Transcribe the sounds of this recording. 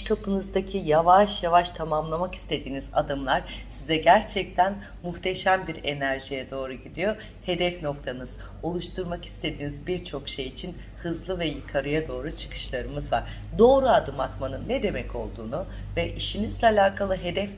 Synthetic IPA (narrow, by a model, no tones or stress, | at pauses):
ʃt̪ʰapʰɯnɯzd̪acʰijavaʃjavaʃt̪ʰamamlˠamaki̥st̪ʰe̞d̪iːniza̰d̪ɯmlˠaɾ̥sizɛɟæɾt͡ʃʰɛc̚t̪ʰæn | muht̪ʰeʃæmbiɾe̞næɾʒijɛd̪o̞ːɾuɟid̪ijo̞ | he̞d̪ɛfno̞kt̪ʰanɯz̥ | o̞lˠuʃt̪ʰuɾmaki̥st̪ʰe̞d̪iːnizbiɾt͡ʃʰo̞kʃe̞jit͡ʃʰin | hɯzlˠɯvɛjɯkʰaɾɯjad̪o̞ːɾut͡ʃʰɯ̥kʰɯ̥ʃlˠaɾɯmɯzva̰ɾ̥ | d̪o̞ːɾuad̪ɯmat̪manɯnːɛd̪e̞mɛcʰo̞lˠd̪ṵːnuvɛʔiʃinizlʲɛalʲaːkʰalˠɯɦe̞d̪ɛf